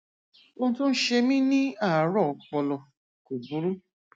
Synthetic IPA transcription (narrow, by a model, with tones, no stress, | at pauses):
wõ˧˦tõ˦n̩˦ʃe˧mĩ˦nĩ˦a˦˨˦ɾɔ˦˨k͡pɔ˧lɔ˧ | ku˨bu˨˦ɾu˦